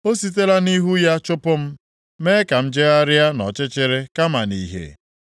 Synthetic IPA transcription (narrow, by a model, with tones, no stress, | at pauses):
o˦si˦t̬e˦la˦ni˦ɦu˦ja˦t͡ʃʊ˦pʊ˦m̩˦ | me˦ka˨m̩˦d͡ʒe˦a˦ɾɪ˦a˦nɔ˨t͡ʃɪ˦t͡ʃɪ˦ɾɪ˦ka˦ma˨ni˨ɦḛ˨